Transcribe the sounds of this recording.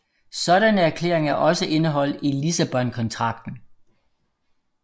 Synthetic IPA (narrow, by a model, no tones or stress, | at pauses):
sɒ̽ɾænəæɐkʰle̝̰ːɐ̰e̝ŋæɐʔɒ̽səʔe̝nəɦɒ̽l̰d̥elisæb̥ɒ̽nkʰɒ̽nt͡sʰʁɑ̈ɡ̥d̥n̩